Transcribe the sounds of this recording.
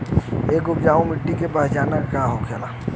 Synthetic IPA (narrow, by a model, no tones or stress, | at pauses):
eːkʊpd͡ʒaːʋõmɪʈːikepəɦd͡ʒaːnakaɦokʰeːlaː